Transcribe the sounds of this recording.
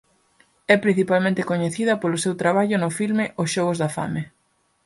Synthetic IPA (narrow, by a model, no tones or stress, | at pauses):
ɛpɾĩn̟θipalmẽnt̪ɪkoɲeθiðɐpolʊsewt̪ɾaβ̞aʎʊnʊfilmɪʔosʃɔɣ̞ozðafa̰me